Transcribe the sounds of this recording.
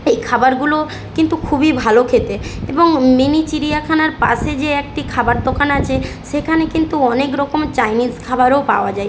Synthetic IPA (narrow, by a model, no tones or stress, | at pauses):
ejkʰabaɾɡulo | kint̪ukʰubibʱalokʰet̪eeboŋminit͡ɕiɾiakʰanaɾpa̰ʃed͡ʑeek̚ʈikʰabaɾd̪okanat͡ɕʰe | ʃekʰanekint̪uɔnekɾɔkomt͡ɕajnizkʰabaɾopa̰oad͡ʑaj